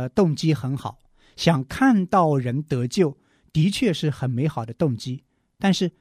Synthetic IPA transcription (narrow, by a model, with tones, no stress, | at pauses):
t̪ʊ˥˩ŋt͡ɕi˥xə˧˥nxɑ˨˩˦ʊ | ɕjɑ˨˩ŋkʰa˥˧nt̪ɑ˥˩ʊɻə˧˥nt̪ɤ˧˥t͡ɕjo˥˩ʊ | t̪i˧˥t͡ɕʰɥɛ˥˧ʂɻ̩˥˩xə˨˩nme˧˥ɪxɑ˨˩ʊd̪ə˦t̪ʊ˥˩ŋt͡ɕi˥ | t̪a˥˧nʂɻ̩˥˩